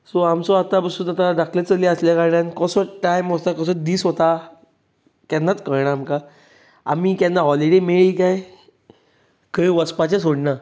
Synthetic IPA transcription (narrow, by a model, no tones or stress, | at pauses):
soamsɔat̪apəsut̪at̪aɖakʰlet͡səliəsljakaɾɳankəsɔʈajmɦot̪akəsɔd̪iːsɦot̪a | kanːat͡skəɾɳ̃aːmka | a̰mikanːaɦɔliɽemeɭikaj | kəiʋəspat͡ɕesoɽna